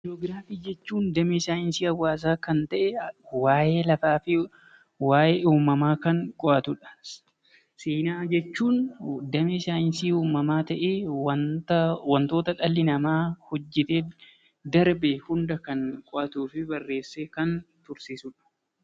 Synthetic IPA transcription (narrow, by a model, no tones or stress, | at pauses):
ɾoːɡɾaːfiːd͡ʒɛt͡ʃːuːnd̪ɐmisaːjɪnsiːɐwːaːs̬aːkɐnt̪ɐʔɛwaːje̞ːlɐfaːfɪ | waːjeːuːmɐmaːkɐŋkʼɔʔɐt̪ʊᶑɐ̥ | seːnaːd͡ʒɛt͡ʃːuːnd̪ɐmisaːɪnsiːuːmɐmaːt̪ɐʔeːɐt̪ɐwɐnt̪o̞ːt̪ɐᶑɐlːɪnɐmaːhɔd͡ʒːɪt̪eː | d̪ɐɾbehʊnd̪ɐkɐŋkʼɔʔɐt̪uːfɪbɐrːe̞ːsːekɐnt̪ʊɾsiːsʊᶑɐ̥